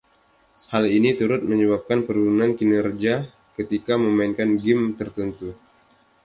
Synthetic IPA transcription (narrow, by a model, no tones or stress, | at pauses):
halinit̪uɾʊt̪̚məɲəβap̚kanpəɾuunankinɛrd͡ʒia | kət̪ikaməmainkanɡɪmt̪ərt̪ənt̪u